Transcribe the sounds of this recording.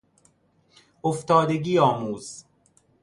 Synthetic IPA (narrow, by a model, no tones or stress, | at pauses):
oft̪ɒːd̪eɡiːɒːmuːz̥